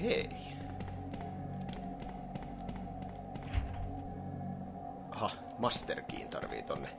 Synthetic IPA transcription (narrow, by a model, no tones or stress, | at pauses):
ei | hɑ | mɑst̪erkḭːnt̪ɑ̰rʋḭːt̪onːe